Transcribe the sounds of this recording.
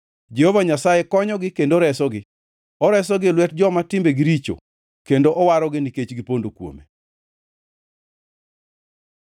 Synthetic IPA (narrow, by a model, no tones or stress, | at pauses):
d͡ʒehovaɲasajekɔɲɔɡɪkendoɾɛsɔɡɪ | ɔɾɛsɔɡɪlwɛt̚d͡ʒɔmatɪmbeɡiɾit͡ʃo̰ | kendoʔɔwaɾɔɡɪniket͡ʃɡɪpondokwo̰me